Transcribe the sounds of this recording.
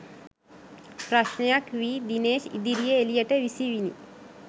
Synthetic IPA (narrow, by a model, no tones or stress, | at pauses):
pɾaʃɳjakʋid̪ineɕḭd̪iɾijeelijaʈeʋisiʋinḭ